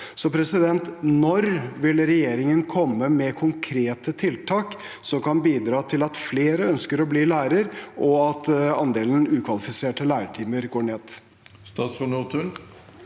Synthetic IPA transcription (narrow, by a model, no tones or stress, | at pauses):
sɔpʰɾɛsɪd̪ɛnt̪nɔɾʋɪlɾɛjeːɾɪŋənkʰɔmːəmɛkʰʊŋkʰɾeːt̪ət̪ʰɪlt̪ʰɑːk | sɔkɑnbiːd̪ɾɑːt̪ʰɪlɑt̪fleːɾəœnskəɾɔbliːlæːɾəɾʔɔɑt̪ɑ̰nd̪eːln̩ʉːkʰʋɑlɪfɪseːʈəlæːɾəʈʰiːməɾɡoːɳeːd̪ | st̪ɑːsʊnuːt̪ʉl